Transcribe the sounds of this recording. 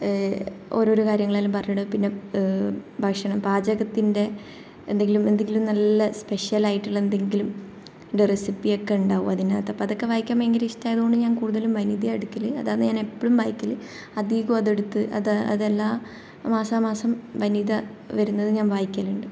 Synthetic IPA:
o̞̰ɾo̞ːɾukaːɾjɐŋːɐɭaːlumpɐrɐjuɳɐpinːe̞ | bʱɐkʂɐɳɐmbaːd͡ʑɐɣɐt̪ːinde̞ | end̪e̞ŋɡilume̞nd̪e̞ŋɡilumnɐlːɐspe̞ʂjɐlaːjiʈːiɭe̞nd̪e̞ŋɡilum | ɖerɐsipːijo̞kːe̞uɳɖaːʋṵmɐðinɐt̪ːɐpːoɐðo̞kːe̞ʋaːjikʲːaːmeŋɡɐliʂtːaːjɐðuɣo̞ɳɖɨɲaːnkuːɽuðɐlumʋɐniðieɽukʲːɐlɨɐ̰ðaːnɨɲaːne̞pːoɭumbʱaːjikʲːɐlɨ | ɐd̪iɣuɐðe̞ɽut̪ːɨʔɐ̰ðɐ̰ðelːaː | maːsaːmaːsɐmʋɐniðɐ | ʋɐɾunːɐðɨɲaːnʋaːjikʲːɐliɳɖɨ

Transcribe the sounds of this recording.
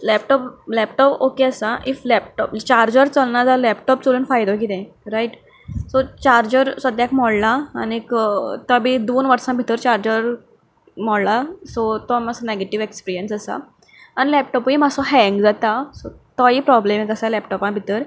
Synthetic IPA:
lɛp̚ʈɔplɛpʈɔpokeəsaʔiflɛp̚ʈɔpt͡ɕaɾd͡ʑəɾt͡səlnad͡zalɛpʈɔp̚t͡soluːnfajd̪ok̬it̪ɛ̃ | ɾaiʈ | sot͡ɕaɾd͡ʑəɾsəd̪ʱjakmɔɽla̰ːnekt̪əbid̪onʋəɾsãbʱit̪əɾt͡ɕaɾd͡ʑəɾ | mɔɽlasot̪ɔmasaneɡeʈiʋekspiɾijənsasa̰ | anilɛp̚ʈɔpuimasɔɦɛ̃ŋɡd͡zat̪asot̪ɔipɾɔblemekəsalɛpʈɔpãbʱit̪əɾ

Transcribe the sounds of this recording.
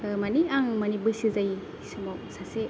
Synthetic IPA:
maniaŋmɐnibɯsizaj | sɯmɔwsase

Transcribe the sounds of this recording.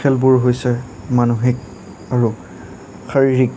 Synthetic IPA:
ɛlbʊɹɦojsɛ | manuɦɛk̚ | aɹu | xaɹiɹik̚

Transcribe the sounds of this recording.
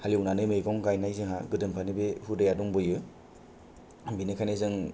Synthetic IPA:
halwnanɯmɯjɡɔŋɡajnajzɯŋɦaɡɯdɯmpʰanibehudajaduŋbɯjɯ | binɯkʰanezɯŋ

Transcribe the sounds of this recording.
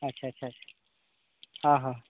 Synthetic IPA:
ɐtːɕʰaɐtːɕʰaɐḁ | ãɦã

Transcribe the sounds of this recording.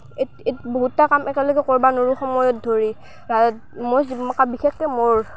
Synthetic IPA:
e | etboɦutːakamʔɛkɛlɔɡɛkɔɹbanoɹuxɔmɔjɔt̚dʱoɹi | ɹa | mozimakabixexːɛmoɹ

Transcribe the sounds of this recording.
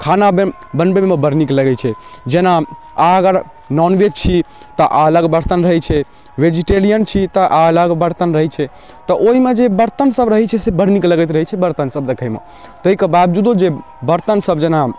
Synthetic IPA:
kʰanabe | bənbememebəɾnikləɡɛt͡ʃʰɛd͡ʒena | aəɡəɾ | nɔnʋed͡ʒt͡ʃʰi | t̪ɔʔaələɡbəɾt̪ənɾəɦɛt͡ʃʰɛ | ʋed͡ʒiʈelijənt͡ʃʰit̪ɔʔaələɡbəɾt̪ənɾəɦɛt͡ʃʰɛ | t̪ɔʔoɦimed͡ʒebəɾt̪ənsəbɾəɦɛt͡ʃʰɛsebəɾnikləɡɛt̪ɾəɦɛt͡ʃʰɛbəɾt̪ənsəb̚d̪ekʰəjmḛ | t̪əɦikebabd͡ʒud̪od͡ʒe | bəɾt̪ənsəbd͡ʒena

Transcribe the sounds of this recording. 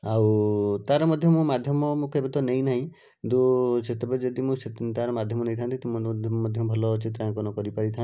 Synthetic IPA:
awt̪aɾɔmɔd̪ʱjɔmũmad̪ʱjɔmɔmũkebɔt̪ɔnejnaɦĩ | d̪uset̪ʰebad͡ʒɔd̪imũset̪aɾɔmad̪ʱjɔmɔnejt̪ʰant̪it̪immɔd̪ʱjɔmɔbʱɔlɔt͡ʃit̪ɾãkɔnɔkɔɾipaɾit̪ʰã

